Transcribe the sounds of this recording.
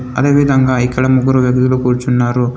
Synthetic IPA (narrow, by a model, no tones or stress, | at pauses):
ɐ̰d̪eːʋid̪ɐŋɡaːjkɐɭɐmuɡɐɾuʋjɐɡd̪iɐlukuːɾt͡ʃunːaːɾu